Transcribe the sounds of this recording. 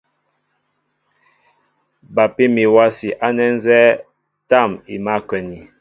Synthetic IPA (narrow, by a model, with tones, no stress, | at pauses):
ba˨pi˦mi˨wa˦si˨ʔa˦nɛ˦n˦zɛ˦ | ta˦˨mḭ˨ma˦kwɛ˨ni˨